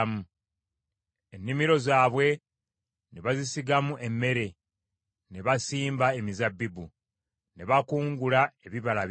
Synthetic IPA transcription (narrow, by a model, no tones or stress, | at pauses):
mu | e̞nːimiɾo̞zaːβwe̞ | neβazisiɡamuʔe̞mːe̞ɾe̞ | ne̞βasiːmbae̞mizabːibu | ne̞βakuːŋɡulae̞βiβala